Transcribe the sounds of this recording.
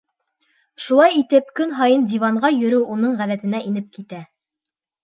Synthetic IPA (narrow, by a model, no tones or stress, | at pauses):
ʃulˠɑjit̪ɘp̚kɵnɦɑjɤnd̪ʲivɑɴɢɑjɵ̆ɾɘwʔunɤɴʁæðæt̪ɘ̆næʔinɘp̚kit̪æ